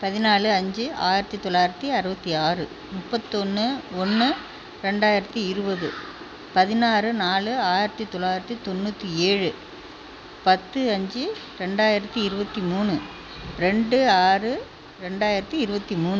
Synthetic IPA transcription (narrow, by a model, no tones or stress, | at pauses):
pɐðɪnaːlɯɐɲd͡ʒɯaːjɪɾɐt̪ːit̪ːɔɭːaːjɪɾɐt̪ːiɐɾɯbɐt̪ːiaːrɯ | mʊpːɐt̪ːɔnːɯɔnːɯ | ɾɛɳɖaːjɪɾɐt̪ːiɪɾɯbɐðɯ | pɐðɪnaːɾɯnaːlɯaːjɪɾɐt̪ːit̪ɔɭːaːjɪɾɐt̪ːit̪ɔnːuːt̪ːieːɻɯ | pɐt̪ːɯɐɲd͡ʒɯ | ɾɛɳɖaːjɪɾɐt̪ːiɪɾɯbɐt̪ːimuːnɯ | ɾɛɳɖɯaːrɯ | ɾɛɳɖaːjɪɾɐt̪ːiɪɾɯbɐt̪ːimuːnɯ